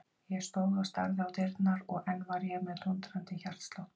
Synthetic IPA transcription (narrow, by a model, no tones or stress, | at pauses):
jɛɣst̪oːwðast̪a̰ɾðɪawt̪ɪɾt̪naɾɔɣɛnːvaɾjɛɣmɛðt̪unt̪ɾant̪ɪçar̥t̪st̪low